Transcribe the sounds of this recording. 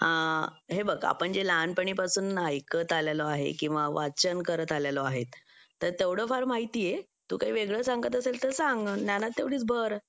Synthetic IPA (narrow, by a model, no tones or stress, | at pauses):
ha | ɦebəɡa̰pəɳd͡ʑelanpəɳiːpasuːnːajkət̪aljalɔaɦḛkĩw̃ʋaʋat͡ɕənkəɾət̪aljalɔaɦet̪ː | əɾt̪eʋɽəfaɾmaɦit̪iːje | t̪ṵːkaɦiʋeɡɭəsãŋɡət̪əselt̪əɾsaŋɡnjanat̪ːeʋɽiːt͡sbʱəɾ